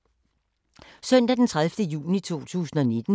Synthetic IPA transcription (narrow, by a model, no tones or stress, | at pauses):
sœn̰d̥æd̥ent͡sʰʁaðfd̥əjṵːnit͡sʰo̝̰ːt͡sʰṵːsn̩ɒ̽ne̝d̥n̩